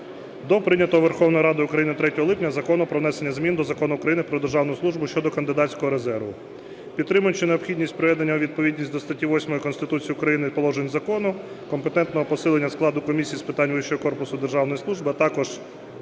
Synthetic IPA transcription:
d̪ɔpɾɪnʲɐt̪ɔɦɔʋerxɔwnɔjiɾɑd̪ɪʊkɾɐjinɪt̪ɾɛtʲɔɦɔlˠɪpnʲɐzɐkɔnʊpɾɔʋnɛsenʲːɐzmʲind̪ɔzɐkɔnʊʊkɾɐjinɪpɾɔd̪erʒɑwnɔjʊslˠuʒbʊʃt͡ʃɔd̪ɔkɐnd̪ɪd̪ɑt͡sʲkɔɦɔɾezɛrʋʊ | pʲit̪t̪ːɾɪmʊjt͡ʃɪneɔpxʲidʲnʲisʲtʲpɾɔʋɛd̪enʲːɐɔʋʲid̪̚pɔʋʲidʲnʲisʲtʲd̪ɔst̪ɐtʲiʋɔsʲmɔjikɔnst̪ɪt̪ut͡sʲijiʊkɾɐjinɪpɔlˠɔʒenʲzɐkɔnʊ | kɔmpet̪ɛnt̪nɔɦɔpɔsɪlˠenʲːɐsklˠɑd̪ʊkɔmʲisʲijispɪt̪ɑnʲʋɪʃɔjɔkɔrpʊsʊd̪erʒɑwnɔjislˠuʒbɪɐt̪ɑkɔʒ̥

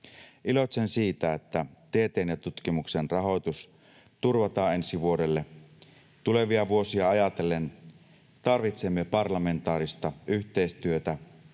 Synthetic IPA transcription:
ʔilo̞t̪sensiːt̪æet̪ːæt̪eːt̪eːnjɑt̪ut̪kimuksenrɑɦo̞jt̪us | t̪urʋɑt̪ɑːe̞nsiʋuo̞de̞lːe | t̪ule̞ʋiɑʋuo̞siɑɑjɑt̪e̞len | t̪ɑrʋit̪semːepɑrlɑme̞nt̪ɑːɾist̪ɑyçt̪e̞ist̪yøt̪æ

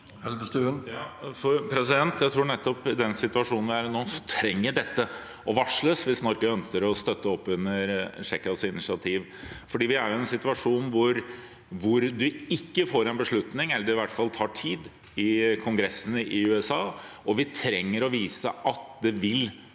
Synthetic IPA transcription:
ɛlbəst̪ʉnjɑːfɔɾpʰɾɛs̬ɪd̪ɛnt̪jæɪt̪ʰɾuːnɛt̪ːɔpɪd̪ɛnsɪt̪ʋɑʂuːnn̩ʋɪæːɾnoːsɔt̪ʰɾɛŋːəɖɛt̪ːə | ʔɔʋɑʂɭəsʋɪsnɔɾkəœnskəɾɔst̪œt̪ːəɔpːʉnːəɾʂɛkːɑsɪnɪsɪɑt̪ʰiːʋ | fɔɖiːʋɪæɾjʊɛnsɪt̪ʉʋɑʂuːnʋʊɾ | ʋʊɾd̪ʉɪkːəfoːɾɛnbəʂɭʉt̪nɪŋɛlːəɾɪʋæʈfɑlt̪ʰɑːʈʰiːd̪ | ɪkʰʊŋɡɾɛsːənəʔɪʉːɛsɑːʔɔʋɪt̪ʰɾɛŋːəɾɔʋiːsəʔɑt̪̚d̪ɛʋɪl

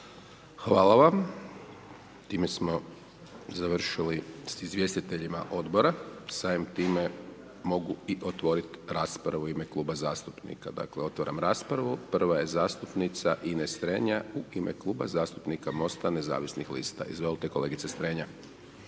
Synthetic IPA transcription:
xʋaːlˠaʋam | t̪iːme̞smo̞ | zaʋr̩ʃilisizʋje̞st̪it̪eʎima̰ʔo̞d̪bo̞ɾasaːimt̪iːme | mo̞ɡuiʔo̞t̪ʋo̞ɾit̪ɾaːspɾaʋuime̞klˠuːbazaːst̪upnḭka̰d̪a̰kleo̞t̪ʋaɾamɾaːspɾaʋupr̩ʋaje̞zaːst̪upnit̪saʔinest̪ɾeːɲauʔimʔḛklˠuːba̰zaːst̪upnikamo̞st̪ane̞za̰ːʋisnixlḭːst̪a̰izʋolˠt̪eko̞le̞ːɡit̪sest̪ɾeɲa

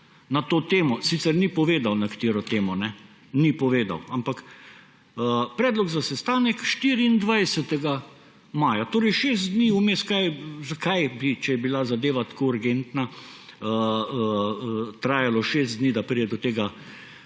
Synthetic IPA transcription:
nat̪oːt̪eːmɔsit̪sɛɾnipɔʋeːd̪awnɛkḁt̪iːɾɔt̪eːmɔnɛ | nipɔʋeːd̪a̰wampak | əpɾɛːd̪lɔɡzasɛst̪aːnɛkʃt̪iɾiːnd̪ʋajsɛt̪ɛɡa | maːjat̪oːɾɛɪjʃeːst̪d̪niːumeskajzakajbit͡ʃɛjɛbilazad̪eːʋat̪ḁkouɾɡent̪naə | t̪ɾaːjalɔʃeːzt̪d̪niːd̪apɾiɛd̪ɔt̪eːɡa

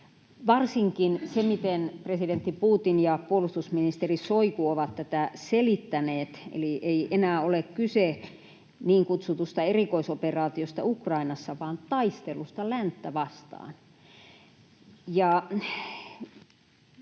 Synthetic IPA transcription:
ʋɑrsiŋkinsemit̪enpresident̪ːipuːt̪injɑpuolust̪usminist̪erisoikuoʋɑt̪tæt̪æselit̪ːæneːt̪ḛliʔeiʔenæːolekkyse | niːŋkut̪sut̪ust̪ɑerikoisoperɑːt̪iost̪ɑ̰ukrɑinɑsːɑʋɑːnt̪ɑist̪elust̪ɑlænt̪ːæʋɑst̪ɑ̰ːn | jɑ

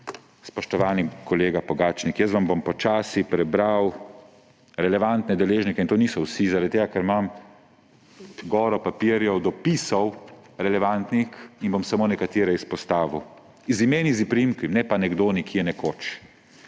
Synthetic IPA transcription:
spɔʃt̪ɔʋaːnikɔleːɡapɔɡaːt͡ʃnikjəs̬ʋambompɔt͡ʃaːsipɾɛbɾaw | ɾɛlɛʋant̪nɛd̪ɛleːʒnikɛint̪oːniːsɔwsizaɾad̪̚t̪eːɡakɛɾmam | ɡɔːɾɔpapiɾjɔwd̪ɔpiːsɔw | ɾɛlɛʋant̪nixinbomsamoːnɛkat̪iːɾɛispɔst̪aːʋu | izimeːnizipɾimkimnɛpanɛɡd̪oːnikʰiɛnɛkoːt͡ʃ

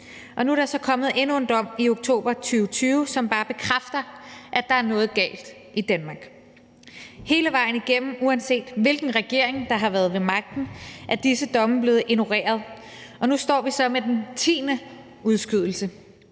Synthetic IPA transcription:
ʔɒ̽nuæɐɾ̥ɑsɒ̽kʰɒ̽mð̩ˠe̝nue̝nd̥ɒ̽m̰io̝ɡ̥̚t͡sʰo̝̰ːb̥ɐt͡sʰyːʊt͡sʰyːʊsɒ̽mb̥ɑ̈ːb̥e̝kʰʁafd̥ɐʔæd̥ɑ̈æɐnɔ̽ːð̞̩ˠɡ̥ɛ̰ːld̥ | ʔid̥ænmɑ̈ɡ̥ | he̝ːləʋɑ̈ɪn̩iɡ̥em̰m̩uænse̝̰ːd̥ʋe̝lɡ̥n̩ʁɛɡ̥e̝ɐ̰e̝ŋd̥ɑ̈ɦɑ̈ʋæɐð̞ˠʋe̝mɑ̈ɡ̥̚d̥n̩ʔæd̥isəd̥ɒ̽məb̥le̝ːð̩ˠʔenuʁḛːɐðˠ | ɒ̽nusd̥ɒ̰ːʋisɒ̽med̥ent͡sʰḭːnə | uð̞ˠsɡ̥yð̞̰ˠl̩sə

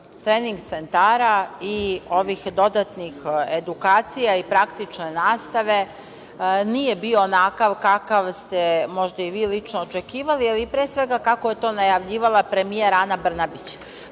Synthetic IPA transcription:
t̪ɾeːniŋɡt̪se̞nt̪aːɾaio̞ʋixd̪o̞d̪at̪nixed̪ukaːt̪sijaipɾakt̪it͡ʂne̞naːst̪aʋe̞ | nije̞bioːnakaʋkakaʋst̪e̞mo̞ʒd̪aiʋiːlit͡ʂnoːt͡ʃe̞kiːʋalialipɾeːsʋe̞ɡakakoje̞t̪o̞ːnajaʋʎiːʋalˠapɾe̞mijeɾanabr̩nabit͡ɕ

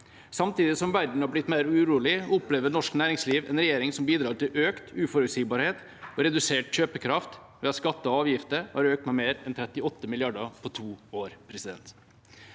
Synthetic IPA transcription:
sɑmt̪iːd̪ɪsɔmʋæɖɳ̩hɑblɪt̪ːmeɪɾʉɾuːlɪɔpleːʋənɔʂknæːɾɪŋsliːʋɛ̰nɾɛjeːɾɪŋsɔmbiːd̪ɾɑːʈɪlʔøːkt̪ʉːfɔɾʉt̪siːɡbɑːɾheːt̪ | ɔɾɛd̪ʉseːʈçøːpəkʰɾɑft̪ʋeːɑskɑt̪ːəɔɑːʋjɪft̪əɾhɑ̰ɾøːk̚t̪mɛmeːɾɛnt̪ʰɾɛt̪ːɪɔt̪ːəmɪlɪɑɖɑpʰɔt̪ʰuːoːɾpʰɾɛsɪd̪ɛ̰nt̪

